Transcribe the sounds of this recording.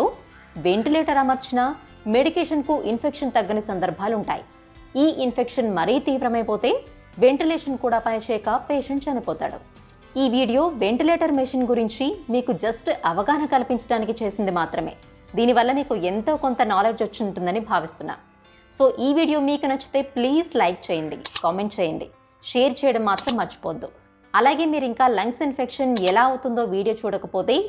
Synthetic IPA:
oː | ʋe̞ɳʈileːʈɐɾɐmɐɾt͡ʃinɐ | me̞ɽikeːʂɐnkuʔinpʰekʂɐnt̪ɐɡːɐnisɐnd̪ɐɾbʱaːluɳʈa̰ːjḭ | iːʔinpʰe̞kʂɐnmɐɾiːt̪iːʋɾɐmɐjpoːt̪e̞ː | ʋe̞ɳʈileːʂɐnkuːɽaːpɐjɐʃɛːkɐpeːʂiɲt͡ʃɐnipɔːt̪a̰ːɽṵ | iːʋiːɽijo̞ːʋe̞ɳʈileːʈɐɾmeʂiːnɡuɾiɲt͡ʃimiːkud͡ʒɐsʈɐʋɐɡaːnɐkɐlipiɲt͡ʃɐɽaːnikit͡ʃe̞ːsind̪imaːt̪ɾɐme̞̰ː | d̪iːniʋɐlːɐmiːkuent̪o̞ːko̞nt̪ɐnaːle̞ːd͡ʒot͡ʃːuɳʈund̪ɐnibʱaːʋist̪unːa̰ː | so̞ːʔiːʋiːɽijo̞ːmiːkunɐt͡ʃːu̥t̪e̞ːpliːzlɐjk̚t͡ʃɛːjɐnd̪ḭkaːme̞ɳʈt͡ʃeːjɐnd̪ḭ | ʂeːɐɾt͡ʃɛːjɐɽɐmːaːt̪ɾɐmːɐɾt͡ʃi̥poːd̪u | ɐlaːɡe̞ːmiːɾuiŋkaːlɐŋksinpʰekʂɐnɛlaːɐut̪und̪o̞ːʋiːɽijoːt͡ʃuːɽɐkɐpo̞ːt̪e̞ː

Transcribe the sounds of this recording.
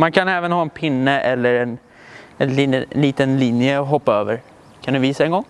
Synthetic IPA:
mankʰanɛːvənɦɑːɛnpʰɪnːəʔɛlːəɾɛn | ɛnliliːt̪ənlinjəɔɦɔpːaøːvəɾ | kʰand̪ɵviːsaɛnɡɔŋː

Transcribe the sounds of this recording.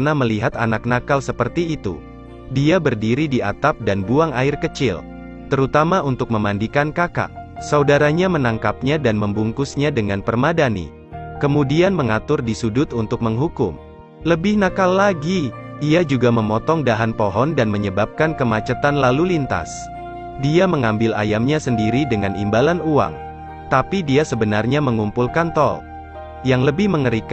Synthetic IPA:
naməliɦat̪anak̚nakalsəpərt̪iːt̪ṵ | diabərdiɾidia̰t̪ap̚danbuaŋaɪrkət͡ʃɪl | t̪əɾut̪amaunt̪ʊk̚məmandikankaka̰ʔsaudaɾaɲamənaŋkap̚ɲadanməmbuŋkʊsɲadəŋanpərmadanḭ | kəmudianməŋat̪ʊrdisudʊt̪unt̪ʊk̚məŋɦukʊm | ləbɪhnakalːaɡiiad͡ʒuɡaməmɔt̪ɔŋdaɦanpɔɦɔndanməɲəbap̚kankəmat͡ʃət̪anlalulint̪a̰s | diaməŋambɪla̰jamɲasəndiɾidəŋanḭmbalanua̰ŋ | t̪apidiasəbənarɲaməŋumpulkant̪ɔ̰l | jaŋləbɪhməŋəɾik

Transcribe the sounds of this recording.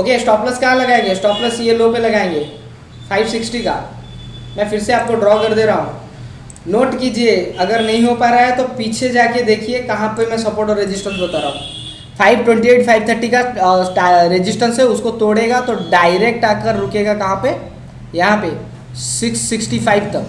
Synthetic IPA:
oːkesʈɔːplɐskjalɐɡaːẽːŋɡesʈɔːpləsjeloːpelɐɡaːẽːŋɡeː | fʰaːɪʋsɪksʈika̰ː | mɛ̃fɪɾseaːp̚koɖɾɔːkɐɾd̪eːɾaɦũ | noːʈkiːd͡ʒieɐɡəɾnɐɦĩɦopaːɾaɦɛt̪opiːt͡ʃʰed͡ʒaːked̪eːkʰiekɐɦãpemɛ̃sɐpoːɾʈɔɾed͡ʒɪsʈəɾsbɐt̪aːɾaːɦũ | fʰaːɪbʈwɛ̃ɳʈieːʈpʰaːɪbt̪ʰəɾʈika | ɾed͡ʒɪsʈəɾseʊskot̪oːɽeːɡat̪oɖaːɪɾeːk̚ʈaːkəɾːʊkeːɡakɐɦãpe | jɐɦãpe | sɪksːɪksʈipʰaːɪbʈɐ

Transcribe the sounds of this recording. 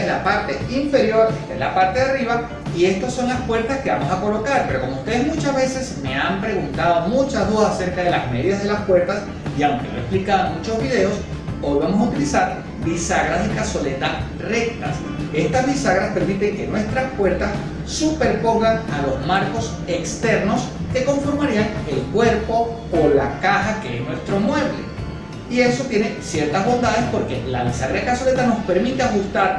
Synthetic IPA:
lapaɾt̪e̞iɱfe̞ɾjo̞ɾest̪aelapaɾt̪eðariβa | ie̞st̪asːo̞nlaspwe̞ɾt̪askeβamo̞sako̞lo̞kaɾpe̞ɾo̞ko̞moust̪e̞ðezmut͡ʃazβe̞se̞sme̞ampɾe̞ɣunt̪að̞o̞mũt͡ʃazðuðasase̞ɾkaðe̞lazmeðiðazðe̞laspwe̞ɾt̪as | iawŋke̞noesplikaðaŋmut͡ʃo̞zβið̞e̞o̞s | bo̞lβemosaut̪ilisaɾ | bisaɣɾazðekaswo̞le̞t̪a | re̞k̚t̪a̰s | e̞st̪azβisaɣɾaspe̞ɾmit̪e̞ŋke̞nwe̞st̪ɾaspwe̞ɾt̪as | supe̞ɾpo̞ŋɡaŋalo̞zmaɾko̞s | e̞kst̪e̞ɾno̞ske̞ko̞ɱfo̞ɾmaɾiaŋe̞lkwe̞ɾpo̞ | olakaxake̞esnwe̞st̪ɾo̞mwe̞βlḛ | ie̞so̞t̪je̞ne̞sje̞ɾt̪azβo̞nd̪að̞e̞spo̞ɾke̞la̰βisaɣɾaðekaso̞le̞t̪ano̞spe̞ɾmit̪eaxust̪aɾ

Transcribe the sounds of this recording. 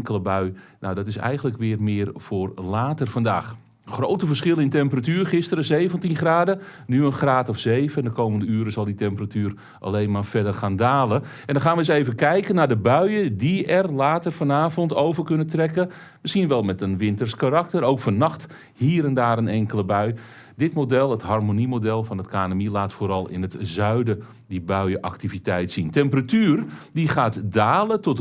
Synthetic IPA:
ŋkələbœɥna̰wdɔtɪsɛ̰jɣəndləkʋɪːrmɪːərv̥ʊːrlaːtərfɑnda̰ːx | χrowtəvərsχɪlˠənɪntɛmpəratyːrχɪstəɾəzejvəntinχraːdənyənχraːtɔfsejvəndəkowməndəyːɾəzɑlˠditɛmpəratyːr | ʔa̰lejnmaːɹfɛdərχaːndaːlˠəʔɛndɔnxaːnʋəəseːjvənkɛjkənaːdəbœɥədiɛrlaːtərfɔnaːvɔntowvərkɵnətrɛkə | məsxiənʋɛlˠmɛtənʋɪntərskaɾak̚tərowkfɔnɑxt | hiːɾɛndaːɾənɛŋkələbœɥ | dɪtmodɛlˠətɦarmonimodɛlˠfɔnətkaːnəmilaːtfoːɾɑlˠɪ̰nətzœɥdə | dibœɥəʔa̰ktivitɛjtsintɛmpəratyːrdiχaːtdaːlətɔt

